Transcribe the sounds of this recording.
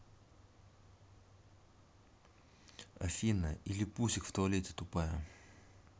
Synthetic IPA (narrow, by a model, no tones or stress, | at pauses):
ɐ̰finɐilʲipusikft̪olʲit͡s̪i̥t̪upa